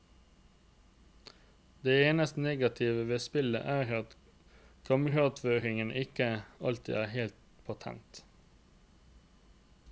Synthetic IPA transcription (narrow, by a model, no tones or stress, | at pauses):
d̪eːeːnəst̪neːɡɑt̪ʰɪʋəʋeːspɪlə̰ʔæːɾɑt̪ | kʰɑməʁɑt̪føːɾɪŋənʔɪkəɑlt̪ʰɪ̰ːæːheːlt̪ | pʰɑt̪ʰɛ̰nt̪